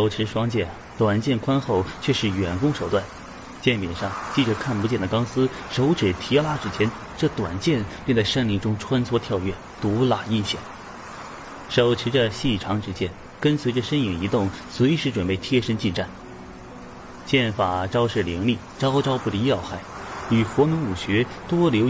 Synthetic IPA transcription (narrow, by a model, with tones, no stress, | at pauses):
ʂo˨˩ʊʈ͡ʂʰɻ̩˧˥ʂwɑ˥ŋt͡ɕjɛ˥˩n | t̪wa˨˩nt͡ɕjɛ˥˩nkʰwa˥nxo˥˧ʊt͡ɕʰɥɛ˥˧ʂɻ̩˥˩ɥɛ˨˩nkʊ˥ŋʂo˨˩ʊt̪wa˥˩n | t͡ɕjɛ˥˩npjɛ˨˩nʂɑ˥˧ŋt͡ɕi˥˩ʈ͡ʂə˧˥kʰa˥˩npu˧˥t͡ɕjɛ˥˩nd̪ə˩kɑ˥ŋsɹ̩˥ | ʂo˧˥ʊʈ͡ʂʰɻ̩˨˩t̪ʰjɛ˧˥la˥ʈ͡ʂɻ̩˥t͡ɕʰjɛ˥n | ʈ͡ʂɤ˥˩t̪wa̰˨˩nt͡ɕjɛ˥˧npʲjɛ˥˧nt͡sa˥˩ɪʂə˥˩nli˥˩ŋʈ͡ʂʊ˥ŋʈ͡ʂʰwa˥nt͡sʰwɔ˥t̪ʰjɑ˥˧ʊɥɛ˥˩ | t̪u˧˥la˨˩i˥˧nɕjɛ̰˥˩˦ | ʂo˨˩ʊʈ͡ʂʰi˧˥ʈ͡ʂə˧ɕi˥˩ʈ͡ʂʰɑ˧˥ŋʈ͡ʂɻ̩˥t͡ɕjɛ˥n | kə˥nswe˧˥ɪʈ͡ʂə˧ʂə˥ni˨˩ŋi˧˥t̪ʊ˥˩ŋswe˧˥ɪʂɻ̩˥˩ʈ͡ʂwə˨˩npe˥˩ɪt̪ʰjɛ˥ʂə˥nt͡ɕi˥˧nʈ͡ʂa˥˩n | t͡ɕjɛ˥˩nfa˨˩ʈ͡ʂɑ˥ʊʂɻ̩˥˩li˧˥ŋli˥˩ʈ͡ʂɑ˥ʊʈ͡ʂɑ˥ʊpu˥˩d̪i˧˥jɑ˥˩ʊxa˥˩ɪy˨˩xwɔ˧˥mi˧˥ŋu˨˩ɕɥɛ˧˥t̪wɔ˥ljo˧˥ʊ